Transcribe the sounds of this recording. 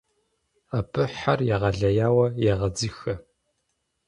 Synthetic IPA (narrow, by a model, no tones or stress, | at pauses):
apʰɨħarjaʁɐɮɐjaːwɐjɛʁɐd͡zɨxɐ